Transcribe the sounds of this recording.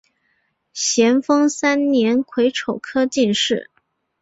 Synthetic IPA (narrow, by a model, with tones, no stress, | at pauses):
ɕjɛ˧˥nfɤ˥ŋsa˥nnjɛ˧˥nkʰwe˧˥ɪʈ͡ʂʰo˨˩ʊkʰɤ˥t͡ɕi˥˧nʂɻ̩˥˩